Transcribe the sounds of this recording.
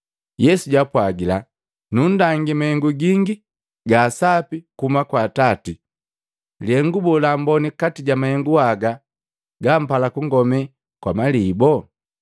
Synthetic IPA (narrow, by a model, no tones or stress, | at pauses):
jɛsuɟapwaɡila | nun̩daŋɡimahɛŋɡuɡiŋɡi | ɡaːsapikumakwaːtati | liɛŋɡubɔlambɔnikatiɟamahɛŋɡuaɡa | ɡam̩palakuŋɡɔmɛ | kwamalibɔ